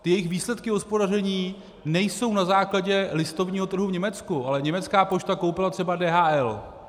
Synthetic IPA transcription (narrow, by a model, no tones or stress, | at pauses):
t̪ɪjɛjɪxviːslɛt̪kɪɦo̞spo̞darɛɲiː | nɛjso̞wnazaːklaɟɛlɪst̪o̞vɲiːɦot̪r̩ɦuvɲɛmɛt͡skuʔalɛɲɛmɛt͡skaːpo̞t͡ʃt̪ako̞wpɪlat̪r̝̥ɛbadɛːɦaːʔɛl